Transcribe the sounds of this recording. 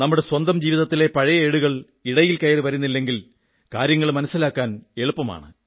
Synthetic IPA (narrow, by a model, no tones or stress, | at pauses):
nɐmːuɽe̞swɐnd̪ɐmd͡ʑiːʋiðɐt̪ːile̞pɐɻɐjɐeɻuɣɐɭ | iɽɐjilkɐjɐɾɨʋɐɾunːilːe̞ŋɡil | kaːɾjɐŋːɐɭmɐnɐsːilaːkːaːne̞ɭupːɐma̰ːɳɨ